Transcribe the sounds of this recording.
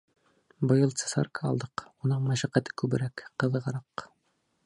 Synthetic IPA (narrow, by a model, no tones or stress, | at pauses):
bɤ̆jɤlˠt̪se̥sɑ̰rkʰɑɑ̰lˠd̪ɤqunɤɴmæʃæqːæt̪ɘ̥kʉbɘ̆ɾækqːɤ̆ðʁɑɾɑq